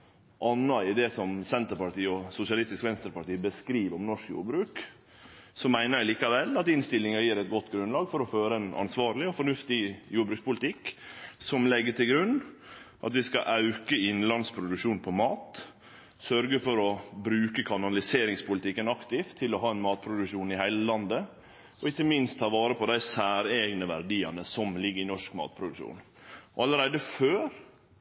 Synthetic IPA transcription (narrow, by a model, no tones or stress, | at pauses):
ʔɑnːɑɪd̪ɛsɔmsɛnt̪əɾpɑʈiːɔsʊsɪɑlɪst̪ɪskʋɛnst̪əɾpɑʈiːbəskɾiːʋɔmnɔʂkjṵːɾbɾʉːk | sɔmæɪnəɾæɪliːkɑʋɛlːɑt̪ɪnst̪ɪlɪŋɑjiːɾɛt̪̚ɡɔt̪ːɡɾʉnlɑːɡfɔɾɔføːɾəɛnɑ̰nsʋɑːɾlɪɔfɔɳʉft̪ɪjuːɾbɾʉːkspʊlɪt̪ʰɪkːsɔmlɛɡːəʈʰɪlɡɾʉnːʔɑ̰t̪ʋɪskɑʔɑʉkəɪnlɑnspʰɾʊd̪ʉkʂuːnpʰɔmɑːt̪ | sœɾɡəfɔɾɔbɾʉːkəkʰɑnɑlɪseːɾɪŋspʰʊlɪt̪ɪkːənɑkt̪ɪft̪ʰːɪlɔɦɑːɛnmɑːt̪̚pʰɾʊd̪ʉkʂuːnɪhæɪləlɑnd̪ə | ɔɪkːəmɪnst̪ʰːɑːʋɑːɾəpʰɔd̪æɪsæːɾeːɡnəʋæɾɖ̪iːɑ̰nəsɔmlɪɡːəɾɪnɔʂkmɑ̰ːt̪̚pʰɾʊd̪ʉʃṵːn | ɔɑləɾæɪd̪əføːɾ